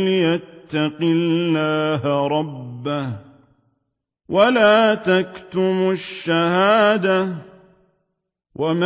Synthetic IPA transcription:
lɪjat̪ːaqɪlːaːɦɾˤɑbːah | walaːt̪akt̪ʊmʊʃːahaːd̪a | wʔama

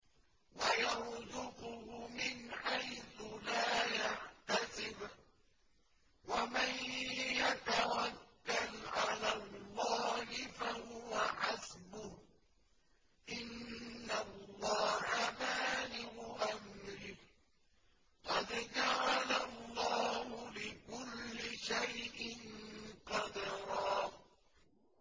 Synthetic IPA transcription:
wajaɾðʊqʊhʊmɪnħajθʊlaːjaʕt̪asɪb | wamanjat̪awakːalʕalaːlˤːɑːhɪfahʊwaħazbʊ | ʔɪnːalːɑːhamaːlɪɡʊʔamɾɪh | qɑd̪d͡ʒaʕalalːɑːhʊlɪkʊlːɪʃajʔɪnqɑd̪ɑɾˤɑː

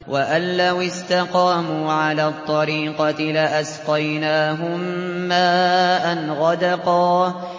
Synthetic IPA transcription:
wʔaʔanlawɪst̪aqɑːmuːʕalaːt̪ˤːɑɾiːqɑlɪʔasqɑjnaːɦʊmːaːʔanɣɑd̪ɑqɑː

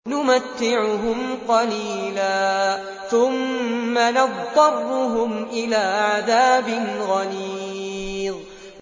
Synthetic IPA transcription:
nʊmat̪ːɪʕʊɦʊmqɑliːlaː | θʊmːanɑðdɑrːʊɦʊmʔɪlaːʕaðaːbɪnɣaniːðˤ

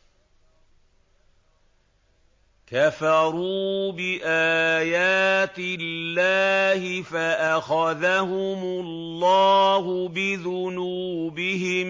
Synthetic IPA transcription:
kafɑɾuːbɪʔaːjaːt̪ɪlːaːhɪfaʔaxaðahʊmʊllːɑːɦʊbɪðʊnuːbɪɦɪm

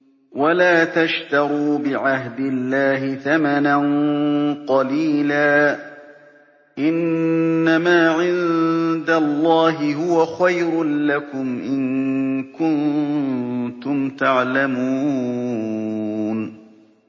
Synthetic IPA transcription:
walaːt̪aʃt̪ɑɾuːbɪʕaɦd̪ɪlːaːɦɪθamananqɑliːlaː | ʔɪnːamaːʕɪnd̪alˤːɑːɦɪɦʊwaxajɾʊlakʊmʔɪnkʊn | t̪ʊmt̪aʕlamuː | n

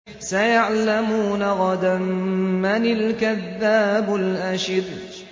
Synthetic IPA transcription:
sajaʕlamuːnaɣɑd̪amːanɪlkaðːaːbʊlʔaʃɪd̪

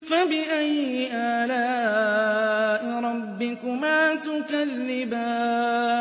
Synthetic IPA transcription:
fabɪʔajɪʔaːlaː | ʔɪɾˤɑbːɪkʊmaːt̪ʊkalːɪbaː

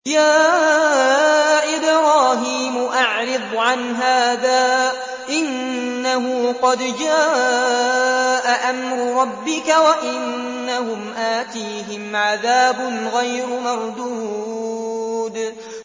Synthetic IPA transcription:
jaː | ʔɪbɾɑːɦiːmʊʔaʕɾɪd̪ˤʕanɦaːðaː | ʔɪnː | aɦʊːqɑd̪d͡ʒaː | ʔaʔamɾʊɾˤɑbːɪkawaʔɪnː | ahʊmʔaːt̪iːɦɪmʕaðaːbʊnɣajɾʊmɑɾˤd̪uː | d̪

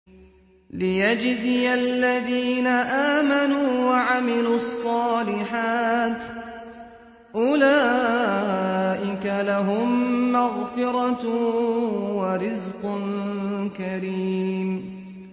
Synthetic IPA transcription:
lɪjad͡ʒzɪjalːaðiːnaʔaːmanuːwaʕamɪluːɑsˤːɑːlɪħaːt̪ | ʔʊlaː | ʔɪkalaɦʊmːaɣfɪɾˤɑt̪ | waɾɪzqʊnkaɾiːm

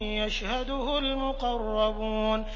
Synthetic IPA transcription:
jaʃhad̪ʊhʊlmʊqɑrˤːɑbuːn

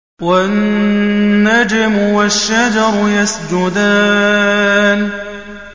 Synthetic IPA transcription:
wanː | ad͡ʒɪmwaʃːad͡ʒɑɾˤjasd͡ʒʊd̪aː | n

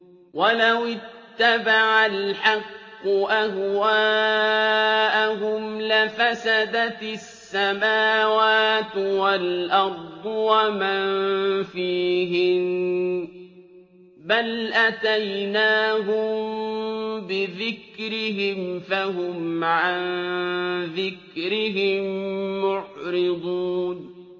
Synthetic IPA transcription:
walawɪtt̪ːabaʕalħɑqːʊʔahwaː | ʔaɦʊmlɪfasad̪asːamaːwaːt̪walʔɑɾˤd̪ˤwamanfiːɦɪn | balʔat̪ajnaːɦʊmm | bɪðɪkɾɪɦɪmfahʊmʕan | ðɪkɾɪɦɪmːʊʕɾɪd̪ˤuːn

